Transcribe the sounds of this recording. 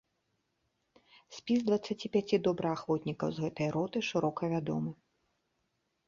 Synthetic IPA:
sʲpʲizd̪vɐt̪sːat͡sʲipʲat͡sʲid̪ɔbɾɨɣaxvɔt̪ʲnʲikɐwzɣɛt̪ɨjɐɾɔt̪ɨʂɨɾɔkɐvʲad̪ɔ̰mɨ

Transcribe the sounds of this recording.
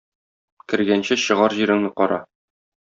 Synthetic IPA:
kɘ̆ɾɡænɕɘɕɤ̆ʁɑɾʑiɾɘ̆ŋnɘqɒɾɑ̰

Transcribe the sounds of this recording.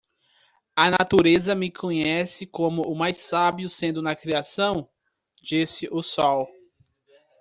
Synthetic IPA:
ɐnat̪uɾezɐmɪkʰõɲɛsɪkõmʊʔʊmajsabiʊsẽnd̪ʊnɐkɾiasɐ̃w̃ | d͡ʒisɪʔʊsɔw

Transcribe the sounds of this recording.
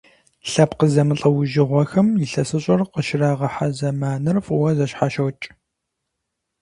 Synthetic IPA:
ɬɐpqəzɐmɨɬʼɐwʊʒɪʁʷɔxɐmjɪɬɐsɨɕʼɐrqəʃɪraːʁɐħazɐmaːnɨrfʼuwɐzɐʃħaʃɐwt͡ʃʼ

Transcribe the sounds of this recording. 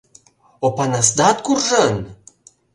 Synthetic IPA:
opanasd̪at̪kurʒən

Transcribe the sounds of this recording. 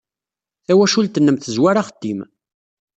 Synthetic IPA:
θæwæʃult̪ənːəmθəzwaɾaχəd̪ːim

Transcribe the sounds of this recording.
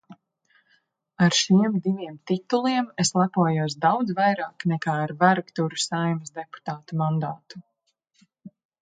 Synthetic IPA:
aɾʃiɛmd̪iviɛmt̪it̪ulˠiɛmeslˠapuɔjuɔs̬d̪awd̪zvajɾaːknɛkaːɾvæɾɡt̪uɾusajmsd̪epu̥t̪aːt̪umãnd̪aːt̪u̥

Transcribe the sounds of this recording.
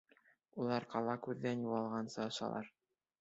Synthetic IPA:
ulˠɑɾqɑlˠɑkʉðːænjuʁɑlˠʁɑnsɤɤ̆ʃɑ̰lˠɑ̰ɾ

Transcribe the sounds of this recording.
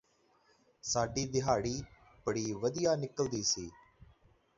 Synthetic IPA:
saːɖiːd̪ɪɦaːɽiː | bəɽiːʋəd̪ɪjaːnɪkəld̪iːsiː

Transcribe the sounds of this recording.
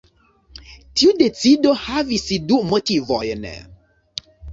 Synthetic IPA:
tiudet͡sidohavisidumə̃tivɔ̰jɛnɛ̰

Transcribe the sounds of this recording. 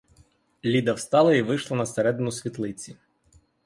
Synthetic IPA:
lʲid̪ɐwst̪ɑlˠɐiʋɪʃlˠɐnɐseɾɛd̪ɪnʊsʲʋʲit̪lˠɪt͡sʲi

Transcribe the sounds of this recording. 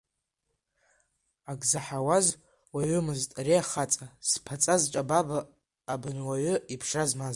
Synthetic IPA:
aɡzaħawaz | waɥʏmɨztʼreaχat͡sʼaspʰat͡sʼazʈ͡ʂʼababaː | bɨnwaɥʏipʰʂazmaz

